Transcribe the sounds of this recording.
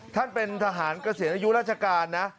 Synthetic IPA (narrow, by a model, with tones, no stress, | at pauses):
t̪ʰa˥˩npe˧nt̪ʰa˧ɦaː˩˦nkɾa˧si˨˩˦nʔa˧ju˦˥ɾaː˦˥t̪̚t͡ɕʰa˧kaː˧nːa˦˥ʔ